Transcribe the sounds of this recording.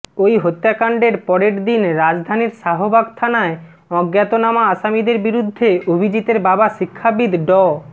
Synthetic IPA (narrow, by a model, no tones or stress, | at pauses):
ojɦot̪ːakaɳɖeɾpɔɾeʈd̪inɾad͡ʑd̪ʱaniɾʃaɦobaɡ̚t̪ʰanae | ɔɡjat̪onamaaʃamid̪eɾbiɾud̪ʱːeobʱid͡ʑit̪eɾbabaʃikʰːabid̪ɖɔ